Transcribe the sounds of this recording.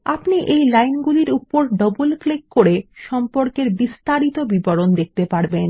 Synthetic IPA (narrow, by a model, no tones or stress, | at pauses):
apniʔejlajnɡuliɾupoɾɖɔbulklekːoɾeʃɔmpoɾkeɾbist̪aɾit̪obibɔɾond̪ek̚t̪epaɾben